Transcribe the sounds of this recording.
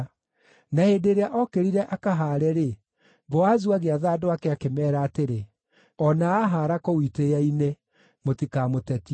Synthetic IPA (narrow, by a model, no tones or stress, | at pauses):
naheːdeɾeaʔɔkeɾiɾɛʔakaɦaːɾɛɾe | ɡɔazuaɣeaðaːdoakɛakemɛːɾaːteɾe | ɔnaaɦaːɾakowitejaine | motikamotɛti